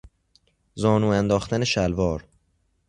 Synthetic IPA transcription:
zɒːnuːænd̪ɒːxt̪ʰæneʃælvɒːɾ

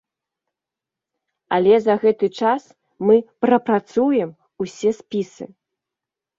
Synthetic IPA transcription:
a̰lʲɛzɐɣɛt̪ɨt͡ʂas | mɨpɾɐpɾat̪sujɛm | usʲɛsʲpʲisɨ̰

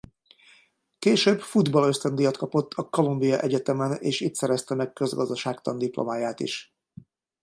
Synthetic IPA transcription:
keːʃøːbfud̪bɒlø̞st̪ɛnd̪ijɒt̪kɒpo̞t̪ʰːɒko̞lumbijɒʔɛɟɛt̪ɛmɛnḛːʃiːt̪sɛɾɛst̪ɛmɛkkø̞zɡɒzd̪ɒʃaːkt̪ɒnd̪iplʔo̰maːjaːt̪ḭʃ

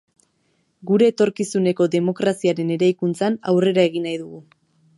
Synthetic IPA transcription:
ɡuɾe̞ːt̪o̞ɾkisune̞ko̞ðe̞mo̞kɾasiaɾe̞ne̞ɾajkunt͡sanawre̞ɾae̞ɣinajðuɣu

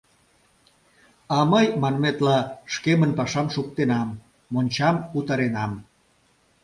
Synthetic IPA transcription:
ɑməjmɑnmet̪lɑʃkemənpɑʃɑmʃuk̚t̪enɑmː | onʲt͡ɕɑmut̪ɑɾenɑm

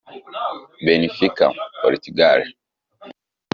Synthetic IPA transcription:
bɛnifika̰ŋɔɾitiɡaɾɛ

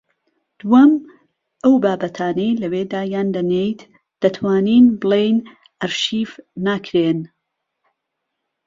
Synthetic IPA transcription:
d̪̥uwɐm | ʔɐwbaːbɐt̪ʰaːnejlɐweːd̪aːjaːnd̪ɐnejt̪ | d̪̥ɐt̪ʰwaːniːnbɨlejn | ʔɐɾʃiːfːaːkʰɾeːn

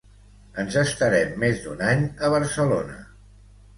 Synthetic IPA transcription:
ənzəst̪əɾɛmːezd̪unaɲəβ̞əɾsəlonə

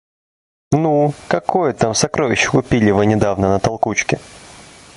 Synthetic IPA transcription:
nukɐkojət̪amsɐkɾovʲɪɕːɪ̥kʊpʲilʲɪvɨnʲɪd̪avnənət̪ɐlˠkut͡ɕkʲɪ

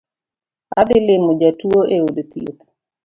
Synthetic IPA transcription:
a̰d̪ɪlɪmʊd͡ʒatuoʔeodt̪jo̰t̪

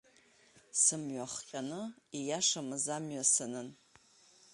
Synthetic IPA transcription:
sɨmɥaχqʲʼanɨijaʂamɨzamɥasɨnɨn

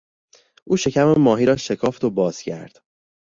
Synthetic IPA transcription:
ʔuːʃe̞cʰæmemɒːɦiːɾɒːʃe̞kʰɒːft̪obɒːz̥cʰæ̰ɾd̪̥

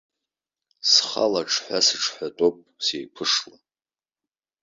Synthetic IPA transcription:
sχa̰laʈ͡ʂʰħʷasɨʈ͡ʂʰħʷᶣatʼopʼsejpʷʰɨʂla

